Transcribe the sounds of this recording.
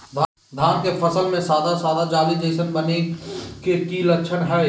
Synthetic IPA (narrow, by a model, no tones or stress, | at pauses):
d̪ʱa | d̪ʱaːnkefʰɐsəlmẽsaːd̪ʱasaːd̪ʱad͡ʒaːlid͡ʒ̪eːsənbɐnekekiːləkːʃʰənɦɛː